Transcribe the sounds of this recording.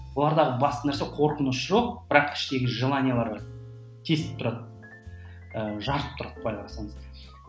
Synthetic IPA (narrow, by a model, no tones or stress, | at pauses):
wolˠɑɾd̪ɑʁəbɑst̪ənæɾse̞qʰo̞ɾqənʊsʒo̞q̚b̥ɪɾɑqkʲʰɪ̥ʃt̪e̞ɡʲɪʒəlˠɑnʲijalˠɑɾɑ | t̪ʰe̞st̪ɪ̥p̚t̪ʰʊɾɑt̪ | əʒɑɾəp̚t̪ʰʊɾɑt̪̚bɑjlˠɑlˠɑsɑɴəz